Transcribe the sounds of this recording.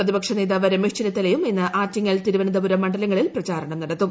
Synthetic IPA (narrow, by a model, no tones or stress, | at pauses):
rɐðibɐkʂɐneːðaːʋɐɾɐmiʂt͡ɕɐnɐt̪ːɐlɐjumenːɨʔaːtːiŋːɐlt̪iɾuʋɐnɐðɐbuɾɐmːɐɳɖɐlɐŋːɐɭilprɐt͡ɕaːɾɐɳɐmnɐɽɐt̪ːu